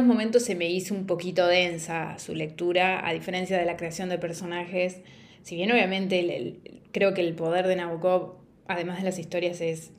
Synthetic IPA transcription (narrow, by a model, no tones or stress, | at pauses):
ozmo̞mẽnt̪o̞sːeme̞isoumpo̞kit̪o̞ðe̞nsasṵle̞k̚t̪uɾaa̰ðife̞ɾe̞nsjað̞e̞lakɾe̞asjo̞nd̪epeɾso̞naxesː | iβje̞no̞β̞jamẽnt̪e̞̰kɾe̞o̞keːlpo̞ð̞eɾðe̞naβukoβ | að̞emazð̞e̞lasist̪o̞ɾjases